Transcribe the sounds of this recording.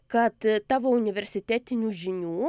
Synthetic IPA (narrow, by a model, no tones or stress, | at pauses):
kɐt̪t̪ɑːʋoːʊnʲɪʋʲɛɾʲsʲɪt̪ʲæːt̪ʲɪnʲuːʒʲɪnʲuː